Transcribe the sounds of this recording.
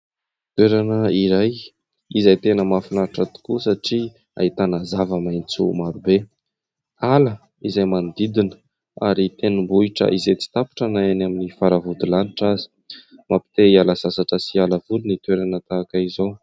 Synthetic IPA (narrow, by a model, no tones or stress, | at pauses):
t̪weɾanəiɾaj | izajt̪enəmafinaʈ͡ʂat̪u̥kusaʈ͡ʂi | a̰it̪anəzavəmajnt͡sṵmaɾube | alə | izajmand̪id̪inə̥ | aɾit̪enəmbuiʈ͡ʂə̰ʔizet͡si̥t̪api̥ʈ͡ʂanajanaminifaɾavud̪ulaniʈ͡ʂazi̥ | mapi̥t̪eialasasaʈ͡ʂəsialavulunit̪weɾanət̪aːkaizow